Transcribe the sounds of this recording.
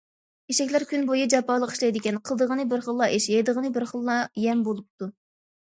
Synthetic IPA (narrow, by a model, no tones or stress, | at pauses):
eʃɛkʲlæɾkʲʰynbojɨd͡ʒɑpɑːlˠəqi̥ʃlˠɛjd̪ɪkʲɛnqʰəlˠd̪əʁənɨbɪɾχəlˠːɑʔeʃjɛjd̪əʁənɨbɪɾχəlˠːɑjɛmbolˠup̚t̪u